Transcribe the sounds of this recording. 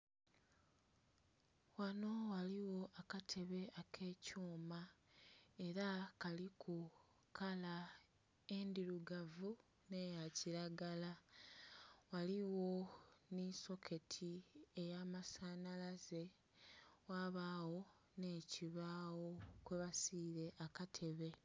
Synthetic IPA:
wano̞waliwo̞ʔakatʰe̞βe̞ʔakʰe̞ːcuːma | e̞ɾakalikʰu | kala | e̞ndiɾuɡavu | ne̞jaciɾaɡala | waliwo̞niso̞kʰe̞tʰie̞jaːmasaːnalaze̞ | waβaːwo̞ | ne̞ːciβaːwo̞kweβasiːɾe̞ʔakatʰe̞βe̞

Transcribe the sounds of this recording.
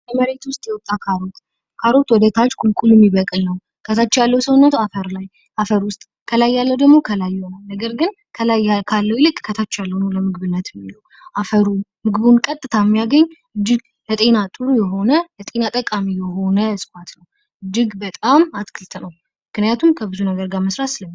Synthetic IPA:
jəməɾe̞t̪wʊst̪ʼjɛwɔt̪ʼːakʰaɾo̞t̪ | kʰaɾo̞t̪wɔd̪ət̪ʰat͡ʃːkʼulkʼulɛmːiβəkʼlnəw | kʰət̪ʰat͡ʃːjalːəwsəwunːət̪afəɾlaj | ʔafəɾwʊst̪ʼ | kʰəlajːalːəwd̪əɡmo̞kʰəlajːhonalnəɡəɾɡɨn | kʰəlajkʰalːəwilɨkʼkʰət̪ʰat͡ʃːjalːəhunəwləmɨɡɨβɨnːət̪jɛmːiləw | ʔafəɾumɨɡβunkʼət̪ʼːɨt̪ʰamːijaɡəɲː | ɨd͡ʒːɪɡ | lət̪ʼe̞nat̪ʼɨɾujɛɦo̞nələt̪ʼe̞nat̪ʼəkʼamijɛɦo̞nəsʼɨ̥kʷat̪nəw | ɨd͡ʒːɪɡbət̪ʼamat̪kʰɨlt̪ʰənəw | mɨknijat̪ʰumkʰəbɨzunəɡəɾɡaməsɾasɨləmːi

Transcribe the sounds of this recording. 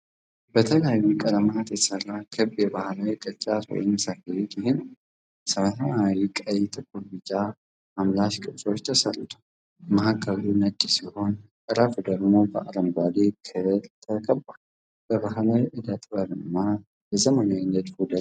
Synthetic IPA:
bət̪ʰəljajːukʼəlmat̪jɛ̥səɾakʰɨbjɛbahlawikʼət͡ʃʼat̪wɔ̰jɪnsakəlit̪ɪhɪnw | sɐβat̪ʰəmawikʼəjːt̪ʼɨkʼːuɾbɨd͡ʒʼːa | mamlaʃkʼɨsʼo̞t͡ʃːt̪ʰəsəlɨt̪ʰu̥ | mɐhakʰːəlunəkʼːisiho̞nʼ | ɨɾafud̪əɡmo̞bə̰ʔaləmbalekʰɨlt̪ʰəkʰəbal | b̥əbaɦlawiʔɨd̪ət̪ʼbəɾɨnːa | jəzəmənajɪnəd̪hud̪ə

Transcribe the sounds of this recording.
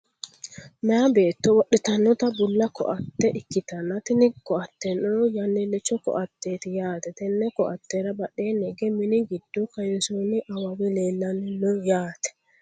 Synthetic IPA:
mɛjɐbe̞ːt̪ːɔwɔɗɛt̪ɐnːɔt̪ɐbʊlːɐkɔ̰ʔɐt̪ːɛʔɪkːɪt̪ɐnːɐt̪ɪnɪkɔɐt̪ːɛnoːjɐnːɛlɛt͡ʃːɔkɔ̰ʔɐt̪ːeːt̪ɪjaːt̪ɛt̪ɛnːɛkɔʔɐt̪ːeɾɐbɐɗeːnɛɡɛmɪnɪɡɪd̪ːɔkɐjɛsunɪʔɐwɐwɛleːlːɐnːɪnɔjaːt̪ɛ̥

